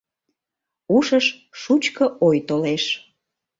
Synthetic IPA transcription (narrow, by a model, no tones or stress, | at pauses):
uʃəʃ | ʃut͡ɕkəojt̪oleʃ